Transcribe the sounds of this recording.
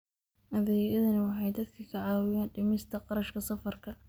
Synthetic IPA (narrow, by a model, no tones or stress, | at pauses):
ʔɐðɛjjɐðɐnɪwɑħɑjd̪ɐd̪kʰɐkʰɐʕɑːwɪjaːnɖɪmɪst̪ʰɐqɑɾɐʃkʰɐsɐfɐrkʰɐ